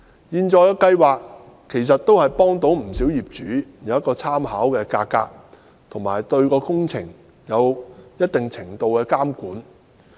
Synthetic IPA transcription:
jiː˧nt͡ʃɔː˧jɔ˧kɐ˧jwaː˨k̚ | kʰːe˨˩js̬ɐ˨t̚t̪o˥whɐ˨jpɔː˥ŋt̪o˨˥wm̩˨˩siː˨˥wjiː˨p̚t͡ʃyː˨˥jɐ˨˥wjɐ˥kːɔː˧t͡sʰaː˥mhaː˨˥wkɛː˧kaː˧kːa̰ː˧k̚ | t̪ʰʊ˨˩ŋmaː˨˩jt̪ɵ˧ɥkɔː˧kʊ˥ŋt͡sʰɪ˨˩ŋ | jɐ˨˧wjɐ˥t̚t̪ɪ˨˩ŋt͡sʰɪ˨˩ŋt̪o˨˧wkɛː˧kaː˥mkuː˨˥n

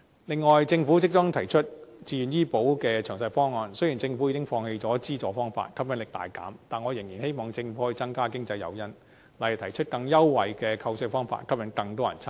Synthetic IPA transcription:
lɪ˨˧ŋːɔː˨jt͡sɪ˧ŋfu˨˥t͡sɪ˥k̚t͡sɔ˥ŋt̪ʰɐ˨˩jt͡ʃʰɵ˥t̚t͡siː˧jy˨njiː˥po˨˥wkɛː˧t͡ʃʰœː˨˩ŋsɐ˧jfɔː˥ŋːɔː˨˧nsɵ˥ji˨˩nt͡sɪ˧ŋfu˨˥jiː˨˧kɪ˥ŋfɔː˧ŋhe˧jt͡sɔː˨˥t͡siː˥t͡sɔː˧fɔː˥ŋfa̰ː˧˨t̚kʰɐ˥p̚jɐ˨˥ŋlɪ˨k̚t̪a̰ː˨jka̰ː˨˥mt̪aː˨nŋɔ˨˧jɪ˨˩ŋjiː˨˩nhe˥jmɔː˨˧ŋt͡sɪ˧ŋfu˨˥ɔː˧˥i˨˧˥t͡sɐ˥ŋkaː˥kɪ˥ŋt͡sɐ˧jːɐ̰˨˧wjɐ˥n | la˨j̚t̪ʰɐ˨˩jt͡ʃʰt̚kɐ˧ŋjɐ˥wːɐ˨jkɛː˧kʰɐ˧wsɪ˥k̚fɔː˥ŋfa̰ː˧t̚kʰɐ˥p̚jɐ˨˥ŋkɐ˧ŋt̪ɔː˥jɐ˨˩nt͡sʰa˥

